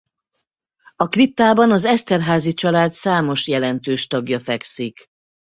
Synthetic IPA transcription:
ɒkrit̪ːaːbɒnɒzɛst̪ɛrɦaːzit͡ʃɒlaːt̪saːmo̞ʃjɛlɛnt̪øːʃt̪ɒɡjɒfɛksik

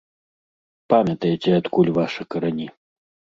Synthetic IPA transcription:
pamʲɐt̪ɐjet͡sʲɛat̪kulʲvaʂɨkɐɾanʲi

